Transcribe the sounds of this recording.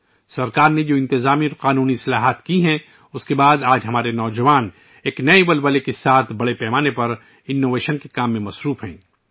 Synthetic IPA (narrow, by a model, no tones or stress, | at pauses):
sɐɾkaːɾned͡ʒoːɪ̃nt̪ɪzaːmiɔɾqaːnuːnisɐlaːɦaːt̪kiɦɛ̃ | ʊskebaːd̪aːd͡ʒɦɐmaːɾenɔːd͡ʒɐʋaːn | eːknɐibɐlbəlekesaːt̪ʰbɐɽepɛːmaːnepɐɾ | ɪnːoːʋeːʃənkekaːmːẽmɐsɾuːfɦɛ̰̃ː